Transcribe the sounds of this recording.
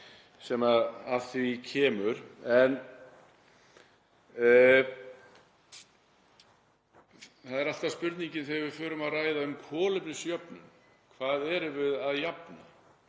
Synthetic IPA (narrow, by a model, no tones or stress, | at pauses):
sɛːmaaθvicʰɛːmʏɾɛn | θaðɛɾalt̪aspʏɾt̪niɲcɪnθejvɪðfʏːɾʏmaðraːjðaʏmkʰɔːlɪpnɪsjœpnʏ̰m | kʰvaːðɛɾʏvɪðaðjapna̰